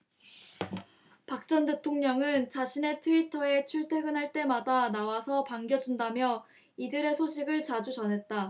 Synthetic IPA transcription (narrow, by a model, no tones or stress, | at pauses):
pak̚t͡ɕ͈ʌnde̞tʰoŋɲʌŋɯnt͡ɕaɕʰine̞tʰɯitʰʌe̞t͡ɕʰuɭtʰe̞ɡɯnɦaɭt͈e̞madanawasʰʌpaŋɡjʌd͡ʑundamjʌ | idɯɾe̞sʰoɕʰiɡɯɭt͡ɕad͡ʑut͡ɕʌnɦe̞t̚t͈a